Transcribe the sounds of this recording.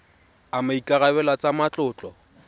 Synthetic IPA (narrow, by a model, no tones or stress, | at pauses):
amaikʼaɣabɛlat͡sʼamat͡ɬʼʊːt͡ɬʼɔ